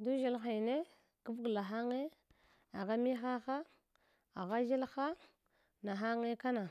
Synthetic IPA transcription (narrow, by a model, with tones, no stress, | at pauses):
du˦ʒi˦lxa˨ne˦ | ku˦vɡla˨ɦa˦ŋe˦ | a˨ɣa˦mi˦xa˦xa˦ | a˨ɣa˦d͡ʒi˦lxa˦ | na˨ɦa˦ŋe˦ka˦na˨